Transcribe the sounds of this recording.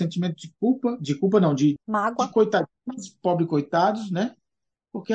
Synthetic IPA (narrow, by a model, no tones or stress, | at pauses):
sẽnt͡ʃimẽnt̪ʊd͡ʒɪk̚uwpɐd͡ʒɪkuwp̬ɐnɐ̃w̃d͡ʒɪmaɡwɐɪkojt̪ad͡ʒĩɲɐspɔbɾɪkojt̪ad̪ʊsnɛ | poɾke